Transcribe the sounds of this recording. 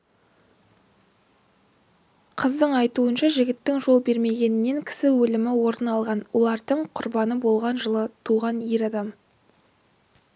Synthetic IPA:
qʰəzd̪əɴɑjt̪uənʃɑʒɪɡʲɪt̪ːɪŋʒo̞lˠbe̞ɾme̞ɡʲe̞nɪnːe̞ŋkʲʰɪ̥sɪwɵlɪmɪwoɾd̪ənɑlˠʁɑnwo̞lˠɑɾd̪əɴqʰʊɾbɑnəbo̞lˠʁɑnʒəlˠət̪ʰuʁɑnjeɾɑd̪ɑm

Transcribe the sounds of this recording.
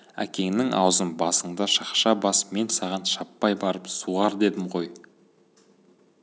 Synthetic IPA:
æ̰kʲe̞ŋnɪŋʔɑ̰wzənbɑsəɴd̪ɑʃɑqʃɑbɑsme̞nsɑʁɑnʃɑpːɑjbɑɾəpsuʁɑɾd̪e̞d̪ɪmʁo̞j

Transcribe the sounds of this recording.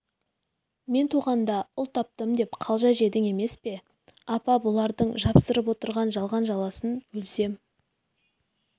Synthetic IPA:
me̞nt̪ʰuʁɑnd̪ɑʊlˠt̪ʰɑp̚t̪əmd̪e̞pqʰɑlˠʒɑjʒe̞d̪ɪŋe̞me̞spe̞ | ɑpɑbolˠɑɾd̪əɴʒɑpsəɾəp̬wo̞t̪əɾʁɑnʒɑlˠʁɑnʒɑlˠɑsənwɵlse̞m

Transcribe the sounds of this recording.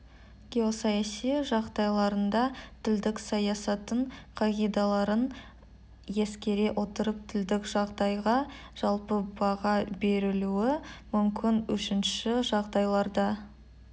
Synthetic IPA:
ɡ̥ʲe̞o̞sɑjɑsijʒɑʁd̪ɑjlˠɑɾənd̪ɑt̪ʰɪld̪ɪksɑjɑsɑt̪əɴqʰɑʁʲijd̪ɑlˠɑɾən | je̞skʲe̞ɾe̞ʔo̞t̪əɾəp̚t̪ʰɪld̪ɪkʒ̥ɑʁd̪ɑjʁɑʒ̥ɑlˠpəbɑʁɑbe̞ɾɪluɪmʏmkʲɪnwɵʃɪnʃɪʒɑʁd̪ɑjlˠɑɾd̪ɑ

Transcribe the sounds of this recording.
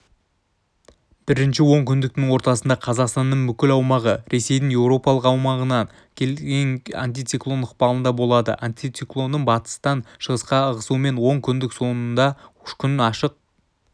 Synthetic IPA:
b̥ɪɾɪnʃɪwo̞ɴkʲʰʏnd̪ɪk̚t̪ɪŋwo̞ɾt̪ɑsənd̪ɑqʰɑzɑqst̪ɑnːəɴbʏkʲɪlɑwmɑʁəɾe̞se̞jd̪ɪŋje̞wɾo̞pɑlˠəqɑwmɑʁənɑn | kʲʰelɡʲeŋa̰nt̪ijt̪sijklˠo̞nəqpɑlˠənd̪ɑbo̞lˠɑd̪ə̰ʔant̪it̪siklˠo̞nːəɴbɑt̪ə̥st̪ɑnʃəʁəsqɑəʁəsume̞nwo̞ɴkʲʰʏnd̪ɪkso̞nənd̪ɑʊʃkʲʰʏnɑʃəq̚

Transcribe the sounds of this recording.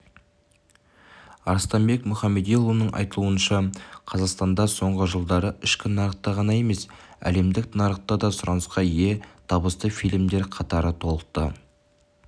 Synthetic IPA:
ɑɾst̪ɑmbe̞kmʊχɑmːe̞d̪elˠunəɴʔɑ̰jt̪əlˠuənʃɑqʰɑzɑqst̪ɑnd̪ɑso̞ɴʁəʒəlˠd̪ɑɾəʔɪʃkʲɪnɑɾəq̚t̪ːɑʁɑnɑje̞me̞sæ̰le̞md̪ɪk̚t̪nɑɾəq̚t̪ːɑd̪ɑsʊɾɑnəsqɑje̞t̪ʰɑbəst̪əfijlʲmd̪e̞ɾqʰɑt̪ɑɾət̪ʰo̞lˠəq̚t̪ə̰

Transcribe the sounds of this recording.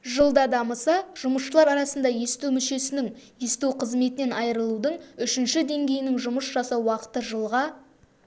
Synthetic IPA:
ʒəlˠd̪ɑd̪ɑməsɑʒ̥ʊməsʃəlˠɑɾɑɾɑsənd̪ɑje̞st̪uwmʏʃe̞sɪnɪŋje̞st̪uqʰəzme̞t̪ɪne̞nɑjɾəlˠud̪əɴʏʃɪnʃɪd̪e̞ŋɡʲe̞jɪnɪŋʒʊməsʒɑsɑwwɑqə̥t̪əʒəlˠʁɑ

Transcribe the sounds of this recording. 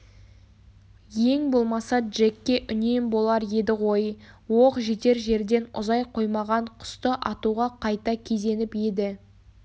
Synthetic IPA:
je̞ŋbo̞lˠmɑsɑdʒekʲːe̞ʔʏne̞mbo̞lˠɑɾje̞d̪ɪwo̞jwoqʒet̪e̞ɾʒe̞ɾd̪e̞nʊ̰zɑjqʰo̞jmɑʁɑɴqʰʊ̥st̪əʔɑt̪uʁɑqʰɑjt̪ɑkʲʰe̞ze̞nɪpje̞d̪ɪ

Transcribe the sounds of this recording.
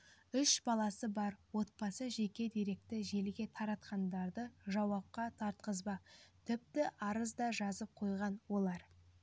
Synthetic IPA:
ʏʃbɑlˠɑsəbɑɾwo̞t̪̚bɑsəʒe̞kʲe̞d̪eɾe̞k̚t̪ɪʒe̞lɡʲe̞t̪ʰɑɾɑt̪qɑnd̪ɑɾd̪əʒɑwɑp̚qɑt̪ʰɑɾt̪̚qəzbɑt̪ʰʏp̚t̪ɪʔɑɾəzd̪ɑʒɑzəp̚qʰo̞jʁɑnwo̞lˠɑɾ

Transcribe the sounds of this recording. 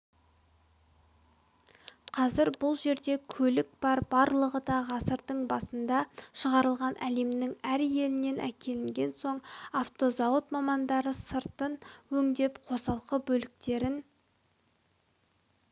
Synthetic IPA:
qʰɑzɪɾbʊlˠʒe̞ɾd̪e̞kʲʰɵlɪkb̥ɑɾbɑɾlˠəʁəd̪ɑʁɑsəɾd̪əɴbɑsənd̪ɑʃəʁɑɾəlˠʁɑnʔæle̞mnɪŋæɾje̞lɪne̞nʔæ̰kʲʰe̞lɪŋɡʲe̞nso̞ɴaft̪o̞zɑwət̪mɑmɑnd̪ɑɾəsəɾt̪ənwɵŋd̪e̞pqʰo̞sɑlˠqəbɵlɪk̚t̪e̞ɾɪn

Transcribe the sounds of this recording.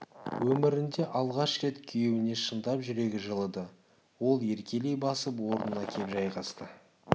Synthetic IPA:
wɵmɪɾɪnd̪e̞ʔɑlˠʁɑʃkʲe̞t̪kʲʰʏjewɪne̞ʃənd̪ɑpʒʏɾe̞ɡʲɪʒəlˠəd̪ə | wo̞lˠje̞ɾkʲe̞le̞jbɑsəpwo̞ɾənənɑkʲʰe̞pʒɑjʁɑst̪ə

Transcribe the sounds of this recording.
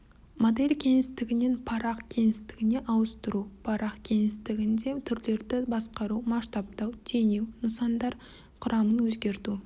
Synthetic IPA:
mod̪e̞lʲkʲʰe̞ŋɪst̪ɪɡʲɪne̞npʰɑɾɑqkʲʰe̞ŋɪst̪ɪɡʲɪne̞ʔɑwəst̪əɾupʰɑɾʔɑqkʲʰe̞ŋɪst̪ɪɡʲɪnd̪e̞t̪ʰʏɾle̞ɾd̪ɪbɑsqɑɾumɑʃt̪ɑp̚t̪ɑwt̪ʰe̞newnəsɑnd̪ɑɾ | qʰʊɾɑmənwɵzɡʲe̞ɾt̪u

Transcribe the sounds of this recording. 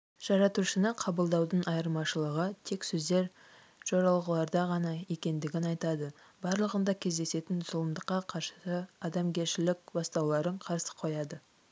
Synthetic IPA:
ʒ̥ɑɾɑt̪uɾʃənəqʰɑbəlˠd̪ɑwd̪ənʔɑjəɾmɑʃəlˠəʁət̪ʰe̞ksɵzd̪e̞ɾ | ʒ̥oɾɑlˠʁəlˠɑɾd̪ɑʁɑnɑe̞kʲe̞nd̪ɪɡʲɪnɑjt̪ɑd̪ə | bɑɾlˠəʁənd̪ɑkʲʰe̞zd̪e̞se̞t̪ɪnzʊlˠəmd̪əqːɑqʰɑɾʃə̥səɑd̪ɑmɡʲe̞ɾʃɪlɪkʲbɑst̪ɑwlˠɑɾəɴqʰɑɾsə̥qʰo̞jɑd̪ə

